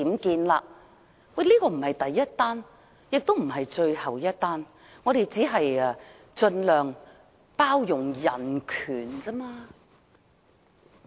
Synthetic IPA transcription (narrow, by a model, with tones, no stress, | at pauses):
iː˨˥mkiː˧nlaː˧ | wɐ˥˧jliː˥kɔː˧m̩˨˩hɐ˨jt̪ɐ˨jːɐ˥t̚t̪aː˥n | jɪ˨k̚t̪o˥wm̩˨˩ɦɐ˨jt͡ʃɵ˧ɥhɐ˨˩wjɐ˥t̚t̪aː˥n | ŋɔ˨˧ɾe˨jt͡siː˨˥ɦɐ˨jɛ˧ | t͡ʃɵ˧nlœː˨˩ŋ | paː˥wjʊ˨ŋjɐ̰˨˩nkʰyː˨˩nt͡sɐ˥maː˧